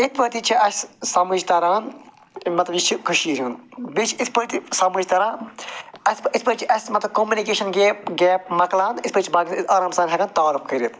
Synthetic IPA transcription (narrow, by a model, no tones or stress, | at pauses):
ik̪̚pɐɾt̪it͡ʃʰiɐsʲsɐmud͡ʒt̪ɐɾaːn | mɐt̪lɐbjit͡ʃʰikʰuʃiːɦʲunbit͡ʃʰiispəɾt̪isɐmud͡ʒʲt̪ɐɾãː | ɐsispɐɾt͡ʃʰiʔɐsʲmɐt̪lɐb̚koːmjunikeːʃɐnɡeːpɡeːp̚mɐklaːnit̪pɐɾt͡ʃʰibaːɡʲɐːɾaːmsaːnʲɦɐɡɐnt̪aːɾufkɐɾit̪